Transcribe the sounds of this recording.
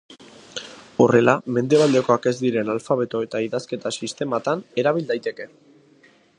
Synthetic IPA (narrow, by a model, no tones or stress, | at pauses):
o̞re̞lame̞nd̪e̞β̞ald̪e̞ko̞ake̞zd̪iɾe̞nalfaβ̞e̞t̪o̞e̞t̪aiðaske̞t̪asist̪e̞mat̪ane̞ɾaβ̞ild̪ajt̪e̞ke̞